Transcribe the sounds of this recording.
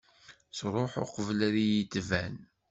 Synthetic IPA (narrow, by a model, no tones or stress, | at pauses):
sɾˤoħʊ̰qəvəlæɾijit̪ːvæn